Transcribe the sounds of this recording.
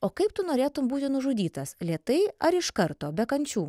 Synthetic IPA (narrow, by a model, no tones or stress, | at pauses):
oːkɐɪpt̪ʊnoːɾʲeːt̪ʊmbuːt̪ʲɪnʊʒʊd̪ʲiːt̪ɐslʲeɛt̪ɐɪɐɾɪʃkɐɾt̪oːbʲɛkɐnʲt͡ʃʲuː